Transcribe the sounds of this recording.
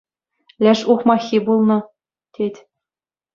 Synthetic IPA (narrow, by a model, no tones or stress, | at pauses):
lʲæʃuχmɑxʲibulˠnɤ̆ | t̪ʲet̪ʲ